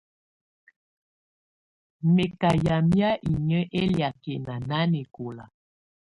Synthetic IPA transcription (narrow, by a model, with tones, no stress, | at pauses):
me˨ka˨ja˨mja˦ʔi˨ɲə˦ʔe˦lja˨ke˨na˨na˦ne˨ko˨la̰˨